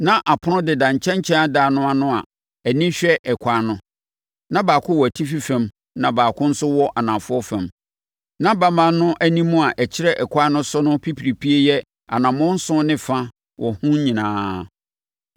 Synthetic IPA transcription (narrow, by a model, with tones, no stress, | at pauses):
nã˦ʔa˨pʰʊ˦nʊ̃˦dɪ˨dã˨ɲ˨t͡ɕʰɛ̃˦ɲt͡ɕʰɛ̃˦a˦daː˨nʊ̃˦a˨nʊ̃˦a̰˨ | æ˨nĩ˦ɕᶣɛ˦ʔɛ˨kʰʷa˨nʊ̃˦ | nã˦baː˨kʰʊ̃˦wɔ˨æ˨tʰi˦fi˦fæ̃˨m | nã˨baː˨kʰʊ̃˦n̩˦sʊ˦wɔ˦ʔa˨nã˨fʊ˦ɔ˦fɛ̃˨m | nã˦ba˦mã˦˨nʊ̃˦ʔæ˦nĩ˦mũ˦a˨ʔɛ˨t͡ɕʰɪ˦ɾɛ˦ʔɛ˨kʰʷa˦nʊ̃˦sʊ˦nʊ̃˦pʰi˦pʰi˨ɾi˨pʰi˦e˦jɛ˦ | a̰˨nã˨mʊ̃˦n̩˦sʊ̃˦nɪ̃˦fã˦ | wɔ˨hũ˦ɲĩ˨nãː˦